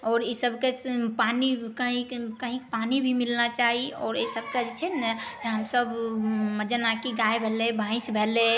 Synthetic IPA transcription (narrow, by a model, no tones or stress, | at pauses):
ɔːɾisəbʱkespanikəɦĩkəɦĩkpanibʱimilnat͡ʃaɦiɔ̰ːɾesəb̚ked͡ʒt͡ʃʰɛseɦəmsəbməd͡ʒanakiɡaebʱelebʱãɪ̃sbʱele